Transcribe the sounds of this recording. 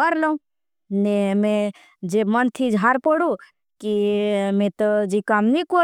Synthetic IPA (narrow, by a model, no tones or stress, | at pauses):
əɾləũ | nemẽ | d͡ʒemənt̪ʰid͡ʒʱɦaɾpoɽũ | kimẽt̪əd͡ʒikamniko